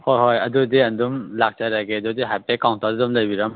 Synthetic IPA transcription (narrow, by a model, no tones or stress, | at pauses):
hojɦojɐdudiandumlak̚t͡ʃaɾaɡeɐdudiɦajpekawntʰadumlajbiɾam